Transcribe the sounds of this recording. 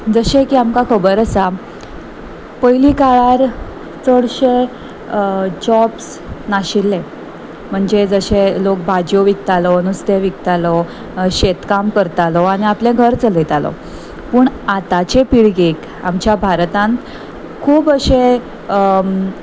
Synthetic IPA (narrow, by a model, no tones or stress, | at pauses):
d͡zəɕekiːamkakʰəbəɾəsa | pəjlikaɭaɾ | t͡səɽɕe | d͡ʑɔbs | naɕilːẽ | m̤əɳd͡zed͡zəɕelok̚bʱad͡ʑjoʋik̚t̪alɔnust̪eʋikt̪alɔ | ɕet̪kamkəɾt̪alɔañiaplẽɡʱəɾt͡səlet̪alɔ̰ | pəːɳat̪at͡ɕepiɽɡek | a̰mt͡ɕjabʱaɾt̪ãnt̪ | kʰuːbəɕe